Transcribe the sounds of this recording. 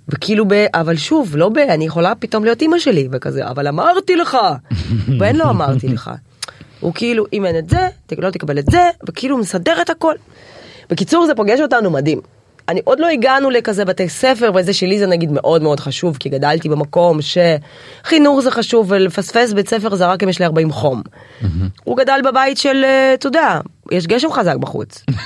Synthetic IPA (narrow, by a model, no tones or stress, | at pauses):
vekiilubeʔavalʃuvlo̞beanijeχo̞lapito̞mlijo̞timaʃe̞livekazḛa̰valamaʁtileχaveenlo̞amaʁt̪ileχa̰ | hṵkiiluʔimenetzetelo̞t̪ekabe̞letzevekiilumesade̞ʁet̪hako̞l | b̥e̞kit͡suʁzepoɡeʃo̞tanumadim | aniʔo̞d̪lo̞iɡanulekazebat̪ejsefe̞ʁveezeʃelizenaɡidme̞ʔo̞dmeo̞dχaʃuvkiɡadaltibemako̞mʃe̞ | χinuχzeχaʃuvːelefasfe̞s̬bet͡sefe̞ʁzeʁakimjeʃliaʁbaimχo̞m | ṵɡadalbabaitʃelt̪odeajeʃ̬ɡeʃ̬e̞mχazak̚baχṵt͡s